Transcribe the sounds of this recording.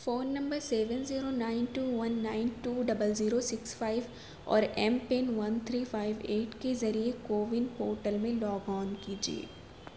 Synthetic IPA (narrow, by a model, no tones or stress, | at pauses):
foːnːɐ̃mbəɾsɛːʋənziːɾonaːɪnʈuːʋɐnːaːɪnʈuːɖɐbəlziːɾosɪksfaːɪʋ | ɔ̰ːɾɛːmpeːnʋɐnt̪ʰɾiːfaːɪʋeːʈkezɐɾiekoːʋɪnpoːɾʈəlmẽlɔːɡɔːnkiːd͡ʒiḛː